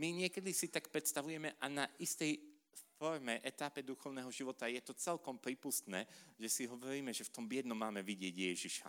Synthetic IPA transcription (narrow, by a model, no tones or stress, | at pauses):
miɲɪɛkɛd̪isit̪ak̚pɾɛt̪st̪aʋujɛmɛʔanaʔist̪ɛj | fɔɾmɛʔɛt̪apɛd̪uxɔʊnɛːɦɔʒiʋɔt̪ajɛt̪ɔt͡sɛlkɔmpɾiːpust̪nɛːʒɛsiɦɔʋɔɾiːmɛʒɛft̪ɔmbɪɛd̪nɔmːaːmɛʋiɟɪɛɟjɛʒiʃa̰